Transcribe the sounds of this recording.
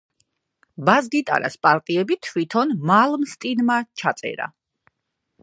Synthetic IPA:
bazɡit̪ʼa̰ɾa̰spʼaɾt̪ʼiɛbit̪ʰwit̪ʰɔnmalˠmst̪ʼinmat͡ʃʰat̪sʼɛ̰ɾa̰

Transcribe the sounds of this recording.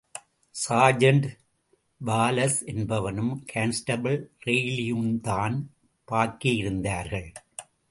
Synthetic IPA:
saːd͡ʒɐɳɖ | ʋaːlɐsɛnbɐʋɐnɯmkʰansʈɐbɐɭɾeɪlɪjuːnt̪aːn | paːɾkɪjɪɾɯnd̪aːɾɣɐɭ

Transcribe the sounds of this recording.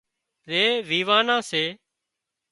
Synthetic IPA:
ɾeːʋiːʋaːnãːseː

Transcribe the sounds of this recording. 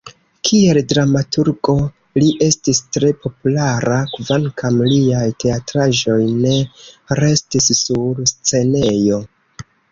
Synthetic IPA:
kʰie̞ldɾamatuɾɡo̞ | liʔe̞stistɾe̞po̞pulaɾakvankamliajtʰe̞atɾaʒo̞jne̞ɾe̞stissuɾst͡se̞ne̞jo̞

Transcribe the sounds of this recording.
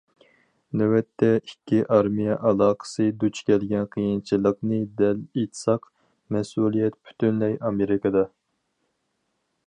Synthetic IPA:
nɛwɛt̪ʰːɛikʲʰːiʔɑɾmijɛʔɑlˠɑːqʰə̥sɨd̪ut͡ʃʰkʲʰɛlɡʲɛnqʰijint͡ʃʰilˠəqnɨd̪ɛlit̪ʰsɑq | mɛsulˠijɛt̪̚pʰy̥t̪ʰynlɛjɑmeɾɪkɑd̪ɑ

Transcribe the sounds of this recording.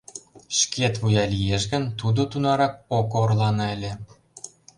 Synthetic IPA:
ʃket̪βujɑlijeʃɣə̆nt̪ud̪ot̪unɑɾɑk̚okoorlɑnɑelʲĕ

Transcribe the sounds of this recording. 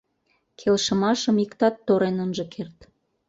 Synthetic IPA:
kʰelʃə̆mɑʃə̆mikt̪ɑt̪ːoɾenənʒɤ̆kʰert̪

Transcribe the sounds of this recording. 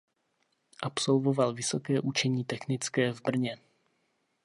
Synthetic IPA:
ʔapsolvovalvɪsokɛːʔut͡ʃɛɲiːt̪ɛxnɪt͡skɛːvbr̩ɲɛ

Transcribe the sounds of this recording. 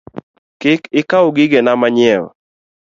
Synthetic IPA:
kɪkɪkaoɡɪɡenamaɲɪɛl

